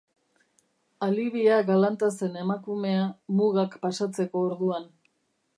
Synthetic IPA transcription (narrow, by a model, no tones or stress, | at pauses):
aliβiaɣalant̪ase̞ne̞makume̞amuɣakpasat͡se̞ko̞ːɾðuan